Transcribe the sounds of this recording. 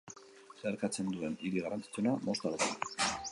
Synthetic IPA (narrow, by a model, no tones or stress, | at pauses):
seaɾkat͡se̞nd̪ue̞niɾiɣarant͡si̥t͡sunamo̞st̪aɾðea